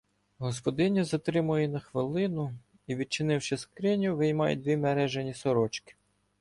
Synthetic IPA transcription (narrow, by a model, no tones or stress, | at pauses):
ɦɔspɔd̪ɪnʲizɐt̪ɾɪmʊjinɐxʋɪlˠɪnʊ | iʋʲid̪̚t͡ʃɪnɪwʃɪskɾɪnʲʊʋɪjmɑjʊ̰d̪ʋʲimeɾɛʒenʲisɔɾɔt͡ʃkɪ̥